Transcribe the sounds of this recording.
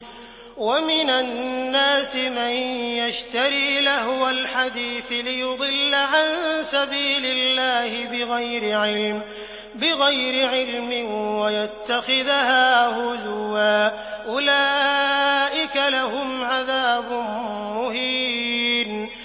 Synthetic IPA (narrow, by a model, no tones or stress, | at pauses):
wamɪnanːaːsɪmanjaʃt̪aɾiːlahwalħad̪iːθɪlɪjʊd̪ˤɨlːaʕansabiːlɪlːaːhɪbɪɣajɾɪʕɪlm | bɪɣajɾɪʕɪlmɪnwajat̪ːaxɪðhaːhʊzʊwaː | ʔʊlaː | ʔɪkalaɦʊmʕaðaːbʊmʊhiːm